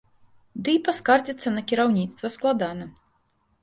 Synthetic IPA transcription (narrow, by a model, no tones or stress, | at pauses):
d̪ɨipaskard͡zʲit̪sːɐnɐkʲiɾawnʲit̪st̪vɐsklˠad̪anɐ